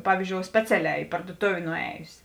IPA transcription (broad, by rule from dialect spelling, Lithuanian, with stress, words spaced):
ˈpɑːʋʲiːzʲd͡ʒʲoːʊ ˈsʲpʲæːt͡sʲɛˌlʲɛː ɪ pɐrduɔˈtoːʋʲeː nʊˈæːjʊsʲ